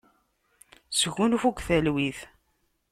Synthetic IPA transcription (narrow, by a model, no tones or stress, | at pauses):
sɣunufukʷθælwiθ